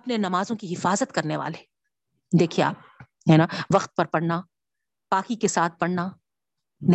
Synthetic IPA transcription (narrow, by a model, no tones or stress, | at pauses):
ɐpnenɐmaːzõkiɦɪfaːzət̪kɐɾneʋa̰ːle | d̪eːkʰiea̰ːp̚ | ɦɛnaʋɐqt̪̚pɐɾpɐɽna | paːkikesaːt̪̚ʰpɐɽna | nɪ